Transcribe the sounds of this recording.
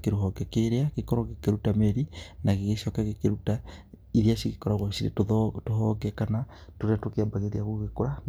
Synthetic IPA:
keɾoɦɔɡɛkeɾeaɣekɔɾɔɣekeɾutameɾinaɣeɣeʃɔkaɣekeɾutaiðiaʃiɣekɔɾaɣwaʃiɾḛtoðɔtoɦɔɡɛkanatoɾeatokeabaɣeðiaɣoɣekoɾa

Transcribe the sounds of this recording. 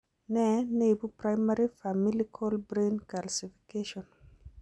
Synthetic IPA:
nɛnejbupɾajmaɾifamilikʰɔlbɾenkalsifi̥keʃɔn

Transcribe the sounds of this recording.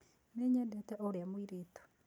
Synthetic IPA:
neɲɛndɛtɛʔoɾeamwiɾeːto̥

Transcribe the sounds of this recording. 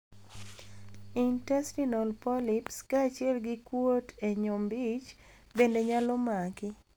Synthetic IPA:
intɛstinɔlpɔlipskaːt͡ʃɪɛlɡɪkwoteɲombit͡ʃ | bendeɲalɔmakɪ

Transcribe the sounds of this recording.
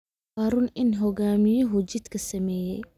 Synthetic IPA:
haːɾʊnɪnɦɔɣaːmɪjɐɦʊt͡ʃɪd̪kʰɐsɐmɛːjɛ̰j

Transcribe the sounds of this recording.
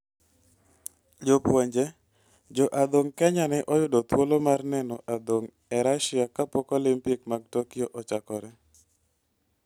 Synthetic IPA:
d͡ʒopwoɲd͡ʒe | d͡ʒɔʔad̪oŋkɛɲanɛʔɔjʊdɔt̪wolomarnɛnɔʔad̪oŋ | ɛɾaʃɪakapɔkolimpikmaɡ̚tokijoʔɔt͡ʃakɔɾɛ

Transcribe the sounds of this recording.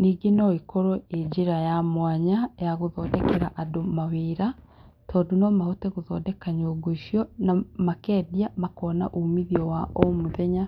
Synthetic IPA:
niːɡenɔikoɾɔed͡ʒiɾajamwaɲajaɣoðɔdɛkeɾaʔadomawiːɾa | tʰɔːdonɔmahotɛɣoðɔ̰ːdɛkaɲoɡoiʃijɔnamakɛːdiamakɔːna̰ʔumiðiɔwaʔɔmuðɛɲa

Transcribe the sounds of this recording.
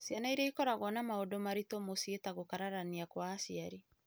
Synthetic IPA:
sianaiɾaikɔɾaɣwɔnamaodomaɾitomosietaɣokaɾaɾaniakwaːsiaɾi

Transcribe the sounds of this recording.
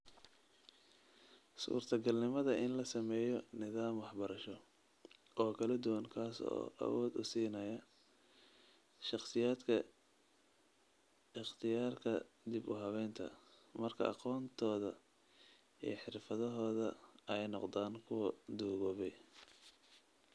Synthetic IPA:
sṵːrt̪ʰɐɡɐlnɪmɐðɐʔɪnlɐsɐmɛːjɔnɪðaːmwɑħbɐɾɐʃɔ | ɔːkʰɐlɐd̪ʊwɐnkʰaːsɔ̰ːʔɐ̰wɔːd̪ʊsiːnɐjɐ | ʃɑqsɪjaːd̪kʰɐ | ɪχt̪ʰɪjaːrkʰɐ | d̪ɪbʊ̰ɦɐβɛːnt̪ʰɐ̰mɐrkʰɐ̰ʔɑ̰qɔːnt̪ʰɔːðɐ | ḭjħɪrfɐðɔɦɔːðɐɛjnɔqd̪aːnkʰʊwɐd̪uːɣɔβɛj

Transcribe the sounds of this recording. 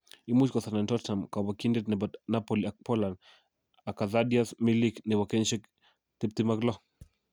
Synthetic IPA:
imut͡ʃkɔθanantɔttamkawakindetnɛbat̪napoliak̚pɔlan | akaðadiasmiliknɪwakenʃɛk | t̪ip̚t̪imaklɔ

